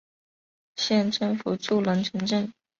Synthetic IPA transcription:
ɕjɛ˥˩nʈ͡ʂɤ˥˧ŋfu˨˩ʈ͡ʂu˥˩lə˧˥ŋʈ͡ʂʰə˧˥ŋʈ͡ʂɤ˥˩ŋ

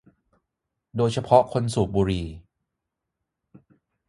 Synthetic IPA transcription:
doː˧jt͡ɕʰa˧pʰɔ˦˥ʔkʰo˧nsuː˨˩k̚buː˧ɾiː˧

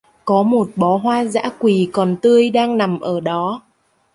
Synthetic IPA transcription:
kɔ˨˦mo˨˩t̚ɓɔ˨˦ɦwaː˧za̰ː˧˥kwi˨˩kɔ˨˩nt̪ɨ˧əjɗaː˧ŋna˨˩mʔəː˧˩ɗɔ˨˦

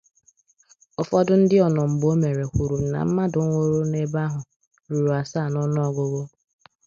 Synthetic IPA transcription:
ʊ˨fɔ˦dʊ˦n̩˦dɪ˦ɔ˨nɔ˨m̩˨bo˦me˨ɾe˨kʷu˨ɾu˨na̰˨m̩˦ma˦dʊ˨˦ŋʷo˦ɾu˦ne˦ba˦ɦʊ˨ | ɾu˨ɾu˨a˨saː˦˨nɔ˦nɔ˦ɔ˨ɡʊ˨ɡo˦

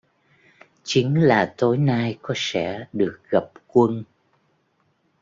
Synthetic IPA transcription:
t͡ɕï˨˦ŋlaː˨˩t̪o˨˦jnaː˧jkɔ˨˦sɛ̰˧˥ɗɨ˨˩ək̚ɣə˨˩p̚kwə˧n

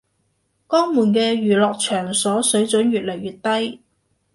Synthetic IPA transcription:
kɔː˥ŋmuː˨˩nkɛː˧ɥyː˨˩lɔː˨k̚t͡ʃʰœː˨˩ŋsɔː˨˥sɵ˨˥ɥt͡sɵ˨˥nɥyː˨t̚lɐ˨˩jɥyː˨t̚t̪ɐ˥j

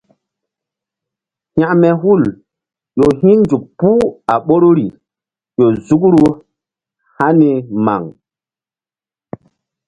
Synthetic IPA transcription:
ha˨ʔmɛ˨hu˦˨l | jo˨hĩ˦nd͡ʒu˨k̚pu˦a˨ɓo˦ɾo˦ɾi˨ | jo˨zu˦kɾu˦ | ha˦ni˨ma̰˨ŋ

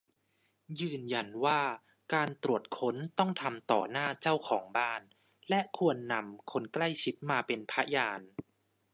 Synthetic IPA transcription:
jɯː˧nja˧nwaː˥˩ | kaː˧nt̪ɾu˨˩ət̪̚kʰo˦˥nt̪ɔ˥˩ŋt̪ʰa˧mt̪ɔ̰ː˨˩naː˥˩t͡ɕa˥˩wkʰɔː˩˦ŋbaː˥˩n | lɛ˦˥ʔkʰu˧ənːa˧mkʰo˧nkla˥˩jt͡ɕʰi˦˥t̪̚maː˧pe˧npʰa˦˥jaː˧n

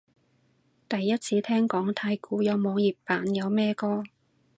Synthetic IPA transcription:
t̪ɐ˨jːɐ˥t̚t͡sʰiː˨˧˥t̪ʰɛː˥ŋkɔː˨˥ŋt̪ʰaː˧jkuː˨˧jɔ˨˧wmɔː˨˧ŋjiː˨˩p̚paː˨˥njɐ˨˧wmɛː˥kɔː˥

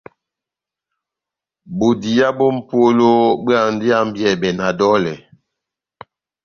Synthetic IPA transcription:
bo˨di˨ja˦bo˦m̩˦pwo˦lo˦ba˨ŋn̩˦di˦a˦m̩˦bjɛ˨bɛ˨na˨dɔ˦lɛ˨

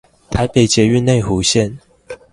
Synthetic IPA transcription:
t̪ʰa˨˦ɪpe˨˩ɪt͡ɕjɛ˨˦y˥˧˨nːe˥˨ɪxu˨˦ɕjɛ˥˨n

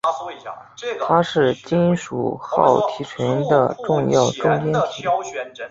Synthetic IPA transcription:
t̪ʰa˥ʂɻ̩˥˩t͡ɕi˥nʂṵ˨˩xɑ̰˥˩ʊt̪ʰi˧˥t͡ɕʰɥɛ˧˥nd̪ə̰˧ʈ͡ʂʊ˥˧ŋjɑ˥˩ʊʈ͡ʂʊ˥˧ŋtjɛ˥nt̪ʰi˨˩˦

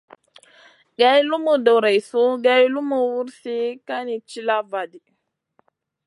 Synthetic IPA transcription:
ɡa˦jlu˦mu˨do˨wɾa˨jsu˦ɡa˦jlu˦mu˨wu˦ɾsi˦ka˦ni˨t͡ʃi˦la˦va˨di˨

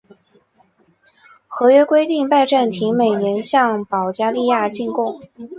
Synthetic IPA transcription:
xɤ˧˥ɥɛ˥kwe˥ɪt̪i˥˧ŋpa˥˧ɪʈ͡ʂa˥˩nt̪ʰi˧˥ŋme˨˩ɪnjɛ˧˥nɕjɑ˥˩ŋpɑ˨˩ʊt͡ɕja˥li˥˧ja˥˧t͡ɕi˥˧nkʊ˥˩ŋ

